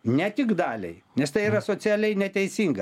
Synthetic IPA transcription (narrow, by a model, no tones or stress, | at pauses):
nʲɛt̪ʲɪɡd̪ɑːlʲɛ̰ɪnʲɛst̪ɐɪiːɾɐsoːsʲæːlʲɛɪnʲɛt̪ʲɛɪsʲiŋɡɐ